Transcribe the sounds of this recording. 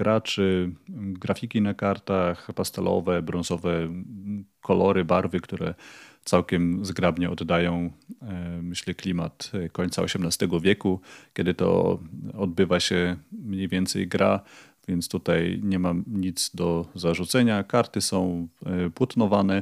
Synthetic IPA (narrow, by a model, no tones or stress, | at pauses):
ɡ̥ɾat͡ʂɘɡɾafʲikʲinakaɾt̪axpast̪ɛlʔɔ̰vɛbɾɔ̃ñzɔvɛ | kʰɔlɔɾɘbaɾvɘkt̪uɾɛ̰t̪sawkʲɛmzɡɾabɲɛɔd̪ːajɔ̃w̃ | mɘɕlɛklʲimat̪kɔɲʲt̪saɔɕɛmnast̪ɛɡɔvʲjɛkukʲɛd̪ɘt̪ɔ̰ɔd̪̚bɘvaɕɛmɲejvʲjɛnt̪sɛ̰jɡɾʔa | vʲjɛnt̪st̪ut̪ajɲɛmaɲit̪zd̪ɔzaʐut̪sɛɲakaɾt̪ɘsɔ̃w̃pwɔt̪nɔvanɛ